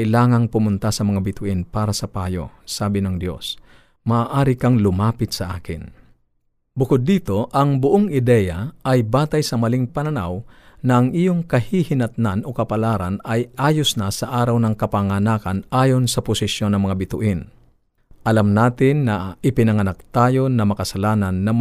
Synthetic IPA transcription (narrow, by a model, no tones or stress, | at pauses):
ʔɪlaːŋɐŋpʊmʊnt̪asɐmɐŋabɪt̪ʊʔɪnpaːɾɐsɐpaːjo̰saːbɪnɐŋd̪jo̞̰s | mɐʔaːʔaːɾɪkɐŋlʊmaːpɪt̪̚sɐʔaːkɪn | bʊkʊd̪ːiːt̪o̞ʔɐŋbʊʔoŋʔɪd̪ɛjaɐjbaːt̪ɐjsɐmɐlɪŋpɐnɐnawnɐʔɐŋʔijoŋkɐhihɪnɐt̪̚nano̞kɐpɐlaːɾanɐjʔaːjosnɐsɐʔaːɾɐwnɐŋkɐpaŋanaːkanʔaːjo̞nsɐpʊsɪsjo̞nːɐŋmɐŋabɪt̪ʊʔɪn | ʔɐlamnaːt̪ɪnːɐɪpɪnɐŋɐnak̚t̪aːjo̞nɐmɐkɐsɐlaːnɐnːɐm